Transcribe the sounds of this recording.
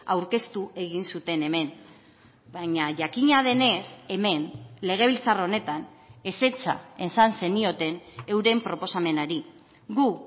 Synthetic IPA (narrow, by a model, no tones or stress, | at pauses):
awɾke̞st̪ue̞ɣ̞insut̪e̞ne̞me̞n | baɲaʝakiɲað̞e̞ne̞se̞me̞nle̞ɣ̞e̞β̞ilt͡saro̞ne̞t̪an | e̞se̞t͡sa̰e̞nsanse̞nio̞t̪e̞ne̞wɾe̞mpɾo̞po̞same̞naɾi | ɡu